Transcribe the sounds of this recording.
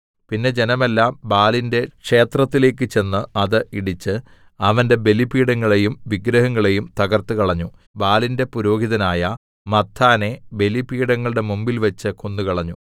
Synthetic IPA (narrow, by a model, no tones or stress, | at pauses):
pinːe̞d͡ʑe̞nɐmelːaːmbaːlinde̞kʂe̞ːt̪rɐt̪ːile̞ːk̬ːɨt͡ɕe̞nːɨɐðɨiɽit͡ɕːɨ | ɐʋɐnde̞be̞lipiːɽɐŋːɐɭe̞jumʋiɡɾɐɦɐŋːɐɭe̞jumt̪ɐɣɐrt̪ɨkɐɭɐɲːu | baːlinde̞puɾo̞ːɡiðɐnaːjɐ | mɐt̪ʰːaːne̞be̞lipiːɽɐŋːɐɭɨɽe̞mumbilʋɐt͡ɕːɨkonːukɐɭɐɲːu